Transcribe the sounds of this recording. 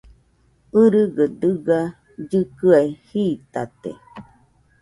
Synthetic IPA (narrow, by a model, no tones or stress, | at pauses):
ɨɾɨɡəd̪ɨɡa | d͡ʒɨkɨaehiːt̪at̪ḛ